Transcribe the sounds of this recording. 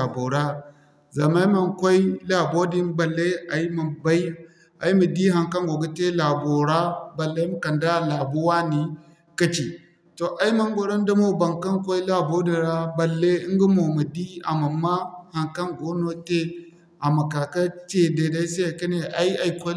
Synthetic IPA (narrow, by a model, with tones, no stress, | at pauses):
a˨bo˨ɾa˦ | za˨ma˦ma˨ŋkʷo˦i˦la˨bo˦di˦nba˨lːe˦a˨i˦ma˨ba˦i˦ | a˨i˦mə˨di˦ɦa˨ŋka˦ŋɡo˨ɡa˦te˦la˨bo˨ɾa˦ba˨lːe˦m˦kɐ˨nda˦˨la˨bo˦wa˦ni˨ | kɐ˦t͡ʃi˨ | to˨ʔa˦i˦ma˦ŋ˦ɡo˨ɾa˦n˦da˦mo˦ba˨ŋka˦ŋkʷo˦i˦la˦bo˦di˨ɾa˦ba˨lːe˦i˦ŋ˦ɡa˦mo˨mu˨di˦a̰˨ma˨mːa˦ha˨ŋka˦ŋɡo˦no˦te˦ | ʔa˨ma˨ka˨ka˦t͡ʃe˨de˨da˦se˦a˨kɐ˦ne˨ʔa˦i˦a˨i˨˦kʷo˦